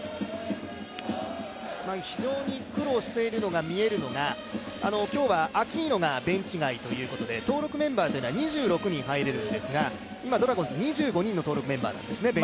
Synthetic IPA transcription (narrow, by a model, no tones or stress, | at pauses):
maçiʑo̞ːɲ̟ikɯ̟ɾo̞ːɕi̥t̪e̞iɾɯ̟no̞ɡamʲie̞ɾɯ̟no̞ɡa | ano̞kʲo̞ːβaʔakʲiːno̞ɡabẽ̞ɲ̟t͡ɕiɡait̪o̞jɯ̟ːko̞t̪o̞d̪e̞t̪o̞ːɾo̞kɯ̟mẽ̞mbaːt̪o̞jinoaɲ̟iʑɨːɾo̞kɯ̟ɲ̟ĩɰ̃ɦaiɾe̞ɾɯ̟nd̪e̞sɨɡa | imad̪o̞ɾaɡõ̞nzɨɲ̟iʑɨːɡo̞ɲ̟ĩnːot̪o̞ːɾo̞kɯ̟mẽ̞mba̰ːnã̰nd̪e̞sɨne̞bẽ